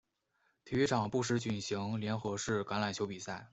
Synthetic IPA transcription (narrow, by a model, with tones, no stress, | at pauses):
t̪ʰi˧˥y˧˥ʈ͡ʂʰɑ˨˩ŋpu˥˩ʂ̬ɻ̩˧˥t͡ɕy˨˩nɕi˧˥ŋljɛ˧˥nxɤ˧˥ʂɻ̩˥˩ka˧˥nla˨˩nt͡ɕʰjo˧˥ʊpi˨˩sa˥˩ɪ